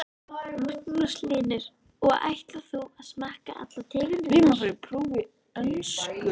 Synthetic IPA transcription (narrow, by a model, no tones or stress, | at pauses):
mak̚nlaslɪːnʏɾ̥ | ɔɣa̰jht̪laθuaðsmaːhka̰ʔa̰t̪lat̪ʰɪːɣɪnɪmasaɪpʰɾuːvɪ | œlskʏ